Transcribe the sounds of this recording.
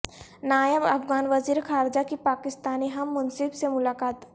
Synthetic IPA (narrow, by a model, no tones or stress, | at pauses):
naːjəbɐ̰fɡaːnʋɐziːɾkʰaːɾd͡ʒakipaːkɪst̪aːniɦɐmːʊnsɪbsemʊlaːkaːt̪